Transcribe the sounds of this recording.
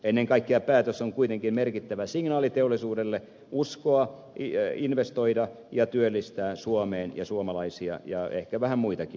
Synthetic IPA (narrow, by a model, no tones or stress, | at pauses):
enːeŋkɑikːeɑpæːt̪øsoŋkuit̪eŋkimmerkit̪ːæʋæsiŋnɑːlit̪eolːˑisuːdelːe | ʔuskoɑ | inʋest̪oidɑ | jɑt̪yølːist̪æːsuomeːnjɑ̰suomɑlɑisiɑ̰jɑḛhkæʋæhæmmuit̪ɑki